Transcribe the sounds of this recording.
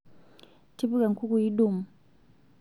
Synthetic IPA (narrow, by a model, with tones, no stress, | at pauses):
tʰi˦pu˦ka˨ŋ̩˨kʰu˦ku˨ji˦ɗu˦˨mu˨